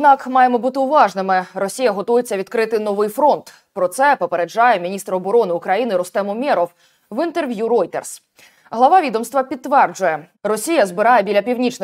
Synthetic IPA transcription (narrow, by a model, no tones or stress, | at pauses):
ɔd̪nɑkmɑjemɔbut̪ɪʊʋɑʒnɪmɪɾɔsʲijɐɦɔt̪ujet͡sʲːɐʋʲid̪kɾɪt̪ɪnɔʋɪjfɾɔnt̪ | pɾɔt̪sɛpɔpeɾed͡ʒɑjɛmʲinʲist̪ɾɔbɔɾɔnɪʊkɾɐjinɪɾɔst̪ɛmɔmʲɛɾɔw | ʋɪnt̪e̞rʋʲjuɾɔjt̪ers | ɦlˠɐʋɑʋʲid̪ɔmst̪ʋɐpʲid̪ːʋɛrd͡ʒʊjɛ | rɔsʲijɐzbɪɾɑjɛbʲilʲɐpʲiwnʲit͡ʃnɪ